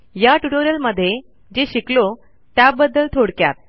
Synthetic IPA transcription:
jaʈuʈoɾiəlməd̪ʱːje | d͡ʑeɕiklo | t̪jabəd̪ːəlt̪ʰoɽkja̰t̪̚

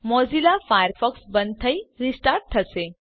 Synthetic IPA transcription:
mɔd͡zilafajəɾfɔksbənt̪ʰəjɾisʈaɾʈ̚t̪ʰəse

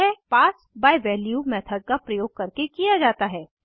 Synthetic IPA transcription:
ɛpaːs | baːiʋɛːljumɛːt̪ʰəɖ̚kapɾɐjoːɡ̚kɐɾkekijad͡ʒaːt̪aɦɛː

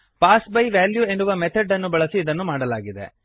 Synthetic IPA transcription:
paːsbɐjʋaːljue̞nːuʋɐmet̪ʰɐɖːɐnːubɐɭɐsiːd̪ɐnːumaːɽɐlaːɡid̪ḛ

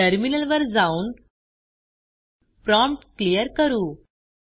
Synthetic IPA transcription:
əɾminəlʋəɾd͡zauːn | pɾɔmpʈklijəɾkəɾuː

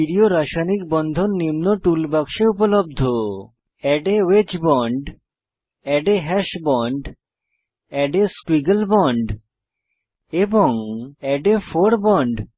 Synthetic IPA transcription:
iɾioɾaʃanik̚bɔnd̪ʱonːimnoʈulbakʃeupolob̚d̪ʱo | ɛɖewet͡ɕbɔɳɖ | ɛɖeɦɛʃbɔɳɖ | ɛɖeskwiɡelbɔɳɖ | eboŋɛɖefoɾbɔɳɖ

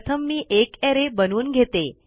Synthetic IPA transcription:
t̪ʰəmːiʔekɛɾebənuːnɡʱet̪e

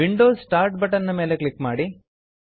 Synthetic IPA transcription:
ʋiɳɖoːssʈaːɾʈbɐʈɐɾnɐme̞ːlekɭikːmaːɽi

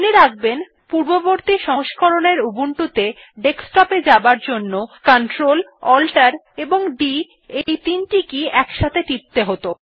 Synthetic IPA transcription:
neɾaɡ̚ben | puɾboboɾt̪iʃɔʃkoɾoneɾubuɳʈut̪e | ɖeksʈɔped͡ʑabaɾd͡ʑonːokaɳʈɾolɔlʈaɾ | eboŋɖi | ejt̪inʈikiɛkʃat̪ʰeʈ̪ip̚t̪eɦot̪o

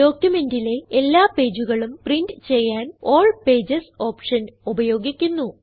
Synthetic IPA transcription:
do̞ːkjume̞ndile̞elːaːpe̞ːd͡ʑuɣɐɭumprindɨt͡ɕe̞jːaːnoːɭpe̞ːd͡ʑɐso̞ːpʂɐnubɐjo̞ːɡikʲːunːu

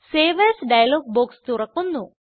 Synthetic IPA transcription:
feːʋɐsɖɐjɐloːɡ̚boːkst̪uɾɐkːunːu

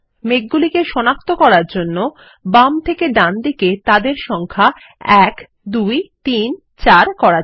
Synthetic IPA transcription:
meɡ̚ɡulikeʃɔnak̚t̪okɔɾaɾd͡ʑonːo | bamt̪ʰekeɖand̪iket̪ad̪eɾʃɔŋkʰa | ɛk | d̪ujt̪in | t͡ɕaɾkɔɾa

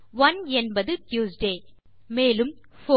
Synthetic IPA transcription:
ʋɐnɛnbɐðɯʈjuːsɖeː | meːlɯm | fo

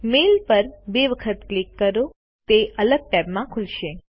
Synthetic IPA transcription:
melpəɾbeʋəkʰət̪klikːəɾo | t̪eʔələɡ̚ʈɛpmãkʰulʃe

